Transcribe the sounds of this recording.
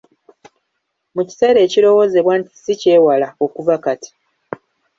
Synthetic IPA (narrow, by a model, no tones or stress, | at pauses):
muci̥se̞ɾe̞ːcilo̞wo̞ːze̞βwanti̥sice̞ːwalao̞kuvakati̥